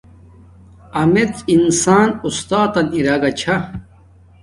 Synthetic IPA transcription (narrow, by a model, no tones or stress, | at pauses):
ɐmet͡s̪insaːnust̪aːt̪ɐniɾaɡɐt͡ɕʰa